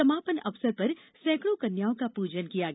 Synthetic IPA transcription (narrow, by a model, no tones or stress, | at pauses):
sɐmaːpənɐʋsəɾpɐɾ | sɛ̃ːkɽõkɐnjaːõkapuːd͡ʒənkijaɡ